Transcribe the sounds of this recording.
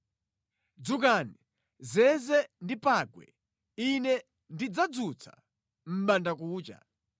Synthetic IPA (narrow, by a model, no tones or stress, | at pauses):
d͡zuk̬ani | zɛzɛndipaɡwɛ̰ | inɛ | ndid͡zad͡zut͡sʰḁ̰ | m̩ɓandakuːt͡ʃa̰